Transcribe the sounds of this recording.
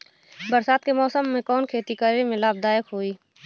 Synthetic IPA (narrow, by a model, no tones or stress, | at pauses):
bəɾsaːt̪̚kemɔːsəmːẽkɔːnkʰeːt̪ikəɾemẽlaːb̚d̪aːjəkɦoːiː